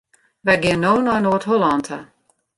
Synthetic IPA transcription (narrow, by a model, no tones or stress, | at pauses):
ʋɛɡɪənːoːnɔjnoːətɦolantʰə